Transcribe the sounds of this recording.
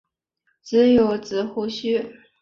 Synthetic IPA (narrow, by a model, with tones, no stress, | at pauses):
t͡sɹ̩˧˥jo˧˥ʊt͡sɹ̩˨˩xu˥ɕy˥